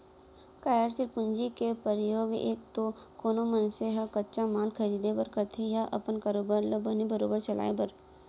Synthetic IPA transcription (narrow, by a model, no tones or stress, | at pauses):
kaːjəɾsilpʊnd͡ʒikepəɾɪjoːɡḛːk̚t̪o | koːnomənseɦɐkɐtːʃamaːlkʰɐɾiːd̪epəɾkəɾt̪ʰejaʔɐpənkaːɾoːbaɾləbənibɐɾoːbəɾt͡ʃɐla̰ːebɐɾ